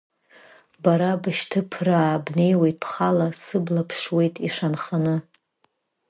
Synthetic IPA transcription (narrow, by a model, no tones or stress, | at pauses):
baɾabɨʃtʰɨpʰraːbne̞jwe̞jtʼpʰχalasɨblapʰʂwe̞jtʼiʂanχanɨ